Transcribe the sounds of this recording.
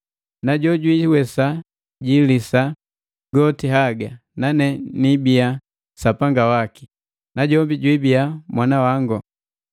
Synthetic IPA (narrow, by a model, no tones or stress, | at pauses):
naɟɔɟwiwɛsa | ɟilisa | ɡɔtiɦaɡa | nanɛnibia | sapaŋɡawaki̥ | naɟɔmbiɟwibijamwanawaŋɡɔ